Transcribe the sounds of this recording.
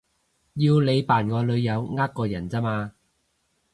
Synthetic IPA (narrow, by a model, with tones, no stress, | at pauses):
jiː˧wle˨˧jpaː˨˩nŋɔː˨˧lɵ˨˧ɥjɐ˨˧wŋaː˥kːɔː˧jɐ˨˩nt͡sɐː˥maː˧